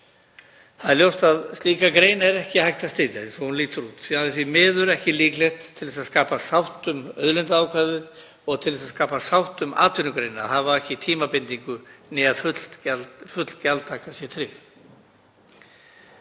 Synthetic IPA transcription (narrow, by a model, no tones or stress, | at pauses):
θaðɛɾljowst̪aðst̪liːkakɾeːjnaɛɾɛhcɪhajht̪ast̪ɪt̪jaðɪnsvɔhunliːt̪ʏɾuːt̪θiaðɪsvimɪːðʏɾɛhcɪliːklɛht̪ʰːɪlɛsaðskaːpasawht̪ʏmœ̰ðlɛnt̪aaːwkʰvaːðɪð | ɔɣt̪ʰɪlðɛsaðskaːpasawht̪ʏma̰ːt̪vɪnʏkɾejna̰θaðvaɛhcɪt̪ʰiːmapɪnt̪iŋkʏnɛaðfʏl̥t̪fʏt̪l̥calt̪ʰaːkasjɛt̪ʰɾɪɣ